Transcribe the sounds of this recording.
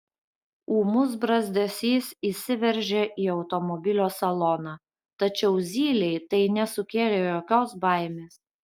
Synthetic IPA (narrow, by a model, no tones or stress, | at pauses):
uːmʊsbɾɐzʲd̪ʲɛsʲiːsiːsʲɪʋʲɛɾʲʒʲeʔiːɒʊt̪ɔmɔbʲɪlʲoːsɐlˠɔnɑː | t̪ɐt͡ʃʲɛʊzʲiːlʲɛɪt̪ɐɪnʲɛsʊkʲeːlʲeːjoːkʲoːsbɐɪmʲeːs